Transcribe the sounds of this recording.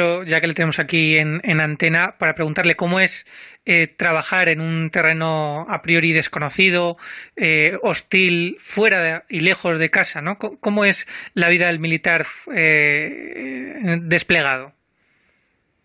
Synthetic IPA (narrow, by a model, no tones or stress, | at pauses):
oʝake̞leenemosakienenãnt̪e̞napaɾapɾe̞ɣunt̪aɾle̞ko̞moe̞set̪ɾaβ̞axaɾe̞nunt̪e̞re̞no̞apɾio̞ɾið̞e̞sko̞no̞θið̞o̞eost̪ilfwe̞ɾaðile̞xo̞zð̞e̞kasano̞koko̞moe̞slaβ̞iðaðe̞lmilit̪aɾe | d̪e̞sple̞ɣ̞að̞o̞